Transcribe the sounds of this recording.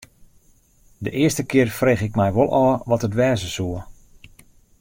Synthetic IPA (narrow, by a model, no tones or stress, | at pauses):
dəʔɪəstəkɪərfreːχɪk̚mɛjʋolˠʔɔːʋɔtətʋɛːzəsuə